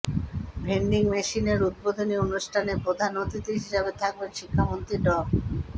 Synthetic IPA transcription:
bʱeɳɖiŋmeʃineɾud̪̚bod̪ʱonionuʃʈʰanepɾod̪ʱanot̪it̪eɦiʃabet̪ʰak̚benʃikʰːamont̪ɾiɖɔ

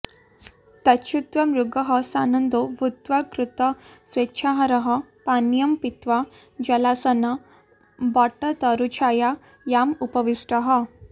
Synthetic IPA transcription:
t̪ɐɕʰut̪ʋɐmɾuɡəɦɐsanənd̪oʋut̪ʋakɾut̪ɐsʋetːɕʰaɦɐɾɐɦɐpanjɐmpit̪ʋa | d͡ʒɐlasɐnɐ | baʈət̪əɾut͡ɕʰaja | jamupɐʋiʂʈəɦə

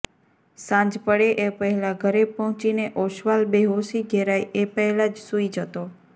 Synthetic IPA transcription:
sãɲd͡ʒpəɽeʔepəɦɛlaɡʱəɾepɔɦɔ̃t͡ʃineʔoʃʋalbeɦosiɡʱeɾajʔepəɦɛlad͡ʒsuid͡ʒət̪o

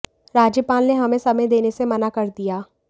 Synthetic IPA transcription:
ɾaːd͡ʒəpaːnːeɦɐmẽsɐməjd̪eːnesemɐnakɐɾd̪ijaː

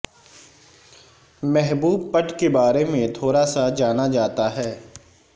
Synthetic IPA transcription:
mɛɦbuːb̚pəʈkebaːɾemẽt̪ʰoːɾasad͡ʒaːnad͡ʒaːt̪aɦɛː

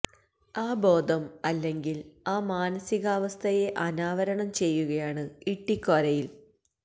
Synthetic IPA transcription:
aːbo̞ːd̪ʱɐmɐlːe̞ŋɡilaːmaːnɐsiɣaːʋɐst̪ʰɐje̞ʔɐnaːʋɐɾɐɳɐmt͡ɕe̞jːuɣɐjaːɳɨiʈːikːoɾɐjil

